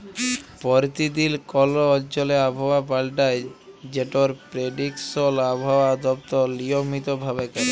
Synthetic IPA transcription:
pɔɾt̪id̪ilkɔloɔd͡ʑoleabʱawabalʈaed͡ʑeʈoɾpɾeɖiksolabʱawad̪ɔp̚t̪onijomit̪obʱabekaɾe

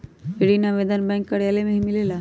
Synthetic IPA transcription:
eɽinaʋeːd̪anbɛ̃ːŋkːəɽjaːlemẽmɪlelaː

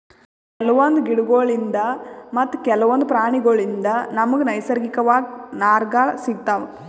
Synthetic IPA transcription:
kɛlɐʋɐnd̪uɡiɽuɡoːɭind̪ɐmɐt̪ːukɛlɐʋɐnd̪upɾaːɳiɡoːɭind̪ɐnɐmɐɡnɐjsɐɾɡikɐʋaːɡinaːɾɡaːɭɐsiɡ̚t̪aːʋɐ

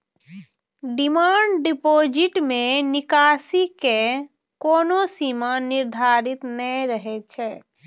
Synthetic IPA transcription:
ɖimaɳɖɖipod͡ʒiʈmenikasike | konosimaniɾd̪ʱaɾit̪nəɾəɦɛt͡ʃʰɛ

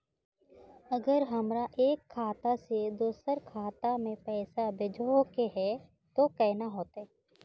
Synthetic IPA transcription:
ɐɡəɾɦɐmɾaʔeːkʰːaːt̪ased̪oːsəɾkʰaːt̪amẽpɛːsabɪd͡ʒʱokeɦɛ | t̪okɛːnaɦoːt̪ɛ

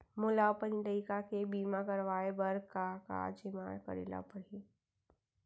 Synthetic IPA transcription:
mʊlapənɖəɪkakebiːmakəɾʋaːebəɾkaka̰ːd͡ʒimaːɾkə̰ɾḛla̰pəɽi

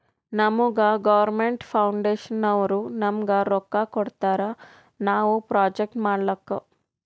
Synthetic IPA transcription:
nɐmuɡɐɡɐʋɐɾmeɳʈpʰɐwɳɖeːʂɐnɐʋɐɾunɐmɡɐɾɔkːakɔɽt̪aːɾɐ | naːʋupɾaːd͡ʒek̚ʈmaːɽɐlɐkːɐ

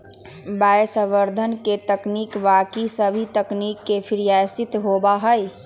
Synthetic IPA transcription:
bajsəʋəɾd̪ʱənket̪əknikʋakisəbʱit̪əknikːepʰiɾijasit̪ɦobaɦəj

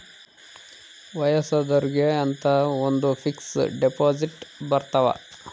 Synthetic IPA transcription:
ʋɐjɐsɐd̪ɐɾɡeɐnt̪ɐond̪upʰiksɖepoːd͡ʒiʈbɐɾt̪ɐʋɐ̰

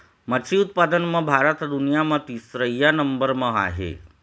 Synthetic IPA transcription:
məsiut̪̚pad̪ənmãbʱaɾət̪d̪unijamãt̪isɾəjːanəmbəɾmãa̰ɦḛ

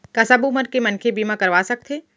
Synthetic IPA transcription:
kɐsabuməɾkemɐnkʰebiːmãkɐɾʋaːsɐk̚t̪ʰe

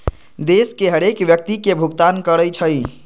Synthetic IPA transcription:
d̪eskeɦəɾekʋjək̚t̪ikebʱuɡt̪ankəɾəjt͡ʃʰəj

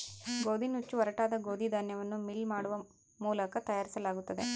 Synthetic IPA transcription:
ɡoːd̪ʱinut͡ʃːuɐɾɐʈaːd̪ɐɡoːd̪ʱid̪ʱɐnjɐʋɐnːumilmaːɽuʋɐ | muːlɐkɐt̪ɐjaːɾisɐlaːɡut̪ːɐd̪e̞

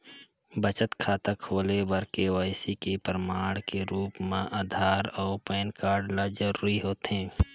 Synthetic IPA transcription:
bət͡ʃət̪kʰaːt̪akʰoːlebəɾkewaːɪsikepɾəmaːɽ̃keɾuːpmãʔaːd̪ʱaːɾɔːpɛːnkaːɾɖlad͡ʒəɾuːɾiɦoːt̪ɦɛ̃ː

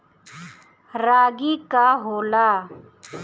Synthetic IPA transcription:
ɾaːɡiːkaːɦoːlaː

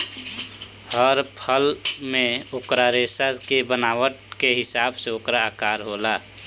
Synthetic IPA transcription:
həɾpʰəlmẽʊkɾaɾeːsakebənaːwəʈ̚keɦɪsaːbseokɾaaːkaːɾɦoːlaː

